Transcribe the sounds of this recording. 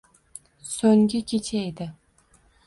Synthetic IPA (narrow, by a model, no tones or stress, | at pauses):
soŋɡʲɪkʲʰet͡ʃʰajd̪ɪ